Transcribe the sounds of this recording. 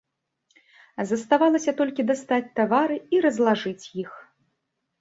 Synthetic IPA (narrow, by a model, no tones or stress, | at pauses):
zɐst̪avalˠɐsʲɐt̪ɔlʲkʲid̪ast̪at͡sʲt̪avaɾɨiɾɐzlˠaʐɨt͡sʲjix